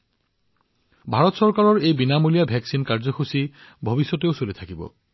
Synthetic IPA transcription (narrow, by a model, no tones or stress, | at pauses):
bʱaɹɔt̪sɔɹkaɹɔɹejbinamolijabʱɛksinkaɹzɔxusi | bʱobisːɔteʊsolit̪ʰakibɔ̰